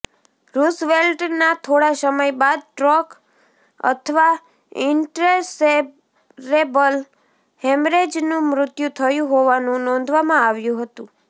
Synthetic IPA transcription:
ɾusʋelʈnat̪ʰoɽasəməjbad̪̚ʈɾɔk | ə̰t̪ʰəʋa | ɪɳʈɾese | ɾebəl | hemɾed͡ʒnũmɾʊt̪jut̪ʰəjũɦoʋanũnɔ̃nd̪ʱʋamãaʋjũɦət̪ũ

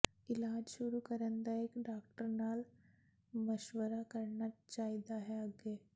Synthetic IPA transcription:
ilaːd͡ʒʃuɾukəɾənd̪aekɖakʈəɾnaːl | məʃʋəɾakəɾɳjat̪t͡ʃajd̪aɦeəɡe

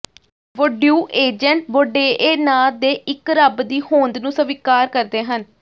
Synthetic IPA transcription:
ʋoɖjuːʔeːd͡ʒəɳʈboɖeːʔeːnaːd̪eːʔɪkɾəbd̪iːhõːnd̪nũːsəʋɪkaːɾkəɾd̪eːɦən

